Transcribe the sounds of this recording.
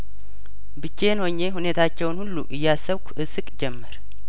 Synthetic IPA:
bɨt͡ʃːenho̞ɲːe̞ɦune̞t̪ʰat͡ʃːɛwnhulːṵʔɨjːasːəβkʷʰu̥ʔɨsɨkʼd͡ʒɛmːəɾ

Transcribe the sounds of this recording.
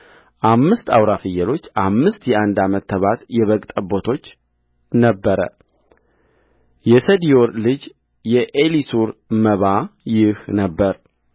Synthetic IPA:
ʔamːɨst̪awɾafɨjɛlo̞t͡ʃːamːɨst̪jɛʔand̪amət̪ʰːəβat̪jɛβəkʼt̪ʼəbot̪ʰo̞t͡ʃː | nəbːəɾə̰ | jɛsəd̪ijo̞ɾlɨd͡ʒ | jɛʔelisuɾməβajɪhnəbːəɾ

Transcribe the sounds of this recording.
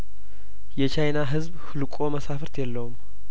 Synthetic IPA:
jɛt͡ʃajnaɦɨzbhɨlɨkʼo̞məsafɨɾt̪jɛlːəwum

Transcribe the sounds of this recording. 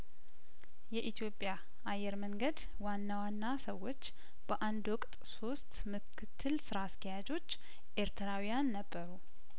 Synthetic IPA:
jɛʔit̪ʰjopʼja | ajːɛɾməŋɡəd̪ | wanːawanːasəwːo̞t͡ʃː | b̥əʔand̪wʊkʼt̪ʼso̞st̪mɨkʰːɨt̪ʰːɨlsɨɾaskʰijad͡ʒo̞t͡ʃː | ʔe̞ɾt̪ʰəɾawijanːəbːəɾu

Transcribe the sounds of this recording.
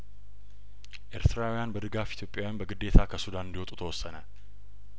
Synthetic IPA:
ʔe̞ɾt̪ʰɨɾawijanbəd̪ɨɡafit̪ʰjo̞pʼjawjanbəɡɨd̪ːe̞t̪ʰakʰəsud̪anɨnd̪ihwɔt̪ʼut̪ʰəwɔsːənə

